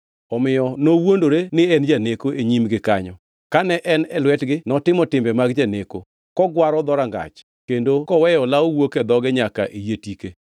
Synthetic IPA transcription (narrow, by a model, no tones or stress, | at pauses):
ɔmɪjɔnowondoɾenɪɛnd͡ʒanekoeɲimɡɪkaɲɔ | kanɛʔɛnɛlwɛtɡɪnɔtɪmɔtɪmbɛmaɡd͡ʒaneko | kɔɡwaɾɔd̪ɔɾaŋɡa̰t͡ʃ | kendokɔwɛjɔlaowoked̪ɔɡɛɲaka̰ʔijetike